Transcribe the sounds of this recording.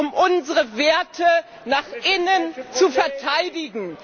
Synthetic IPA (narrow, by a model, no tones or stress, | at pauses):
ʊmʔʊnzəʁəveːɐtʰə | naːχʔɪnənt͡sufɛɐtʰaɪdɪɡŋ̩